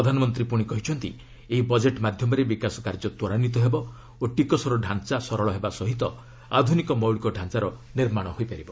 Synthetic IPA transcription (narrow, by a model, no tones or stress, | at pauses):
ɾɔd̪ʱanɔmɔnt̪ɾipuɽ̃ikɔɦit͡ʃʰɔnt̪ḭ | eɦibɔd͡ʒeʈmad̪ʱjɔmɔɾebikasɔkaɾd͡ʒɔt̪ɔɾanit̪ɔɦebɔ | oʈikɔsɔɾɔɖʱant͡ʃasɔɾɔɭɔɦebasɔɦit̪ɔ | ad̪ʱunikɔmɔwɭikɔɖʱant͡ʃaɾɔniɾmaɽ̃ɔɦojpaɾibɔ